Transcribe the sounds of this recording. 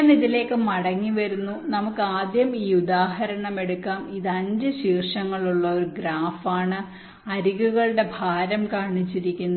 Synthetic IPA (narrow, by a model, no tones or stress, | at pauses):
niðile̞ːkːɨmɐɽɐŋːiʋɐɾunːunɐmukːɨaːd̪jɐmiːud̪aːɦɐɾɐɳɐme̞ɽukːaːmiðɐnd͡ʑɨɕiːrʂɐŋːɐɭuɭːɐo̞ɾuɡɾaːfaːɳɨ | ɐɾiɣuɣɐɭɨɽe̞bʱaːɾɐmkaːɳit͡ɕːiɾikʲːunːɐ